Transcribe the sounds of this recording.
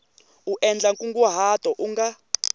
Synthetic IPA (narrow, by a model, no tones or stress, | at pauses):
uʔɛnd͡ɮaŋkʼuŋɡuɦatʼɔʔuŋɡa